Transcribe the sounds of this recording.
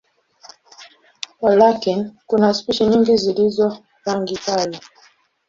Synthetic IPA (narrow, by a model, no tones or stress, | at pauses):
walakinkunaspiʃɛɲiŋɡizilizɔ | ɾaŋɡikalɛ